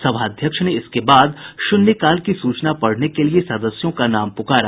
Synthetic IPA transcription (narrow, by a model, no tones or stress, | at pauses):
sɐbʱaːd̪ʱjəkʃneɪskebaːd̪ʃʊnjəkaːlkisuːt͡ʃnapɐɽ̤nekeliesɐd̪əsjõkanaːmpʊkaːɾa